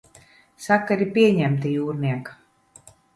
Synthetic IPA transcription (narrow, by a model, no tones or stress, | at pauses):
sakːaɾipʲiɛɲæmt̪ijuːɾniɛkḁ